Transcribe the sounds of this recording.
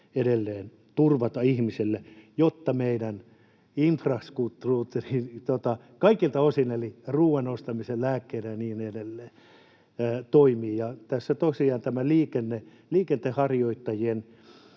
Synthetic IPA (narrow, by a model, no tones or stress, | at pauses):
edelːeːn | t̪urʋɑt̪ɑihmiselːejot̪ːɑmeidæn | infrɑskut̪ːruːt̪ːerint̪ot̪ɑ | kɑikilt̪ɑosineliruːʋenost̪ɑmisellæːkːeilæniːnedelːeː | t̪oimiːjɑt̪æsːæt̪osiɑːnt̪æmæliːkenːe | liːkent̪ehɑrjoit̪ːɑjien